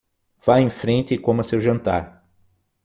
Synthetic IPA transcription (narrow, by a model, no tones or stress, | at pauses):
vaẽfɾẽnt͡ʃ̪ɪkõmɐsewʒɐ̃nt̪a̰ɾ